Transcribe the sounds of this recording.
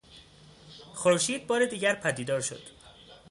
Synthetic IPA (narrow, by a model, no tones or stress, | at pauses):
xoɾʃiːd̪̚bɒːɾed̪iːɟæɾpʰæd̪iːd̪ɒːɾʃo̰d̪̥